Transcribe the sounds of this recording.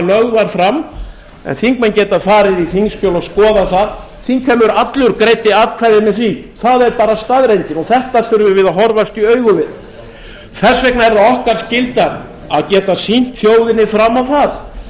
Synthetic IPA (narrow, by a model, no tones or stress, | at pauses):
lœɣvaɾ̥fɾam | ɛ̰nθiŋk̚mɛncɛːt̪afaːɾɪðiθiŋscœːlaskɔːðaθað | θiŋkʰvɛmːʏɾat̪lʏɾkɾejt̪ɪaːt̪kʰvaːɾðɪmɛðθviθaðɛɾpaːɾast̪aːðɾejnt̪ɪnɔθɛht̪aθʏɾvʏvɪðaɦɔɾvast̪iœːɥɣʏvɪð | θɛsːvɛknaɛɾðaɔhkaɾ̥scɪlt̪aɾ | aðcɛːt̪asin̥t̪θjoːwðɪnːɪfɾamːawθað